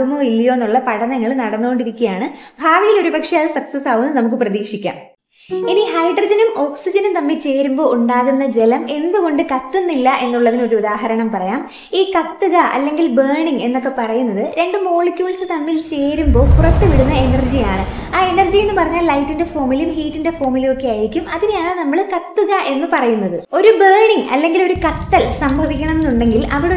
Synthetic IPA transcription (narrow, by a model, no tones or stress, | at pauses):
muilːijo̞enːuɭːɐpɐɽɐnɐŋːɐɭnɐɽɐnːuɣoɳɖiɾikʲːijaːɳɨbʱaːʋɐjilo̞ɾubɐkʂejaːðɨsɐksɐsaːɣunːnɐmuk̬ːɨprɐðiːkʂikʲːa̰ːm | inihɐjɖrɐd͡ʑɐnumo̞ːksid͡ʑɐnumt̪ɐmːilt͡ɕe̞ːɾumbo̞ːʔuɳɖaːɣunːɐd͡ʑe̞lɐme̞nd̪uɣo̞ɳɖɨkɐt̪ːɨnːilːɐʔe̞nːuɭːɐðino̞ɾuud̪aːɦɐɾɐɳɐmpɐrɐjaːm | iːkɐt̪ːɨɣɐʔɐ̰lːe̞ŋɡilbeːɳiŋe̞nːo̞kːe̞pɐrɐjunːɐðɨɾe̞ɳɖɨmo̞ːɭikʲjuːɭsɨt̪ɐmːilt͡ɕe̞ːɾumbo̞ːpurɐt̪ːɨʋiɽunːɐe̞nɐrd͡ʑijaːɳɨaːe̞nɐrd͡ʑie̞nːɨpɐrɐɲːaːllɐjtːinde̞fo̞ːmilumhiːtːinde̞fo̞ːmilumo̞kːe̞aːjiɾikʲːumɐðinjaːɳɨnɐmːɐɭkɐt̪ːuɣɐʔe̞nːɨpɐrɐjunːɐðɨo̞ɾubeːɳiŋɐ̰lːe̞ŋɡilo̞ɾukɐt̪ːɐlsɐmbʱɐʋikʲːɐɳɐmenːuɳɖe̞ŋɡilʔɐʋiɽe